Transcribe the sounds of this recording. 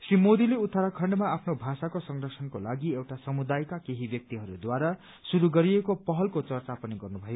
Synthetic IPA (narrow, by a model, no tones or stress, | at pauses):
srimod̪ileut̪ʰːaɾakʰʌɳɖmaapʰnobʱasakosʌŋrʌsʰʌnkolaɡiewʈasʌmud̪ajkakeɦibjʌk̚t̪iɦʌɾud̪waɾa | suɾuɡʌɾiekopʌɦʌlkot͡sʌrt͡sapʌniɡʌrnubʱʌjo